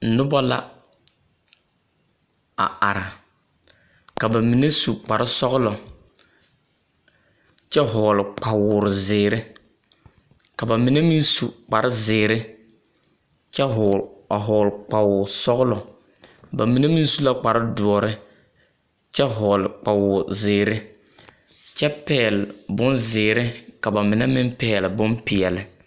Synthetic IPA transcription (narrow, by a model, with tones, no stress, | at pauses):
nʊ˦ba˦la̰˦ | a̰˨a˨ɾa˨ | ka˨ba˨mi˨ne˦su˨k͡pa˨ɾɪ˦sɔ˦ɣʊ˦lɔ˨ | t͡ʃɛ˦ɦɔː˨lɪ˨k͡pa˨wʊː˨ɾɪ˨zɪː˨ɾɪ˦ | ka˨ba˨mi˨ne˦mi˦nsu˨k͡pa˨ɾɪ˦zɪː˨ɾɪ˦ | t͡ʃɛ˦ɦʊ˨a˨ɦɔː˨lɪ˨k͡pa˨wʊ˨sɔ˦ɣʊ˦lɔ˨ | ba˨mi˨ne˦mi˦nsu˦la˦k͡pa˨ɾɪ˦dʊ˨ɔ˨ɾɪ˦ | t͡ʃɛ˦ɦɔː˨lɪ˨k͡pa˨wʊː˨ɾzɪː˨ɾɪ˦ | t͡ʃɛ˦pɛː˦˨lɪ˨bʊ˦nzɪː˨ɾɪ˦ka˨ba˨mɪ˨nɛ˦mɪ˦mpɛː˨lɪ˨bʊ˦mpɪ˨ɛ˨lɪ˨